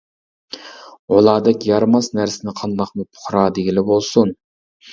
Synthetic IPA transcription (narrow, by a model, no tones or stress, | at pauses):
ʁolˠɑːd̪ɛkʲjɑɾmɑsnæɾsɪnɪqʰɑnd̪ɑqmɨpʰo̥χɾɑd̪eɡʲilɪbolˠsun